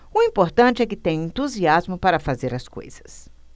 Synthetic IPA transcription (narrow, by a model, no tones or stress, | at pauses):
ʊĩpoɾt̪ɐ̃t͡ʃɪɛkɪt̪ẽj̃ẽnt̪uziazmʊpaɾɐfazeɾɐsko̰jz̥ɐ̥s